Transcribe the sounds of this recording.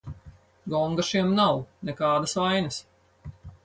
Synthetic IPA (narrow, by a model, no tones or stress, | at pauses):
ɡɔŋɡaʃiɛmnawnɛkaːd̪asvajnɐs